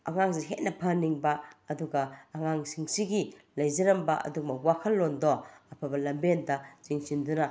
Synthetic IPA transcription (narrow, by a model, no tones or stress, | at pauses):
ɐŋaŋsiɦet̚nɐpʰɐniŋbaːduɡaːŋaŋsiŋsiɡilɐjzɐɾɐmbɐɐ̰dumɐwakʰɐlːondɔɐpʰabɐlɐmbendɐz̥iŋsinduna